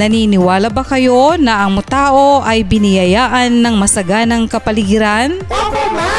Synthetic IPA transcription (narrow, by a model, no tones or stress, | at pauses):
nɐninɪwaːlɐbɐkɐjo̞nɐʔɐŋmʊt̪aːʔo̞ʔɐjbɪnɪjɐjaːʔɐnːɐŋmɐsɐɡanɐŋkɐpɐlɪɡɪɾan